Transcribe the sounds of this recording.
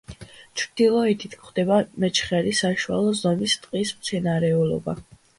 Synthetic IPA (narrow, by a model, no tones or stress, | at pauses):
t͡ʃʰɾd̪̥ilˠɔit̪ʰit̪ʰkχd̪ɛbamɛt͡ʃʰχɛɾisaʃua̰lˠɔzɔmist̪ʼqʼismt̪sʰɛnaɾɛulɔ̰ba̰